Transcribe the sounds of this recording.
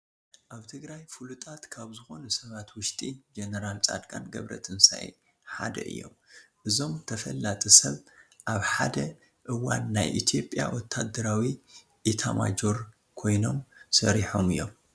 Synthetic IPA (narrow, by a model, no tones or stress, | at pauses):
ʔaβt̪ʰɨɡɾajfulut̪ʼat̪kʰaβzɨxo̞nusɐβat̪wʊʃt̪ʼid͡ʒenɐɾalt͡sʼa̰d̪kʼa̰nɡɐβɾɐ̰t̪ʰɨnsa̰j | ħa̰d̪ɐ̰ʔɨ̰jːo̞̰mʔɨzo̞mt̪ʰɐfɐlːat̪ʼisɐβ | ʔaβħad̪ɐ | ʔɨwa̰nːajʔḭt̪ʰjo̞pʼja̰wɔt̪ʰːad̪ːɐɾawi | ʔit̪ʰama̰d͡ʒo̞ɾ | kʰo̞jno̞msɐɾiħomɨjːo̞m